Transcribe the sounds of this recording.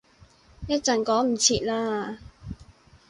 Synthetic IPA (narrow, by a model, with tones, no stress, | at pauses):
jɐ˥t̚t͡sɐ˨nkɔː˨˥ŋm̩˨˩t͡sʰiː˨˧t̚laː˥